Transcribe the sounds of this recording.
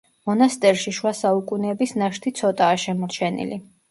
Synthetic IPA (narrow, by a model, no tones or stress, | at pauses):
mɔnast̪ʼɛɾʃiʃwasaukʼunɛːbisnaʃt̪ʰit̪sʰɔt̪ʼaːʃɛmɔɾt͡ʃʰɛnḭli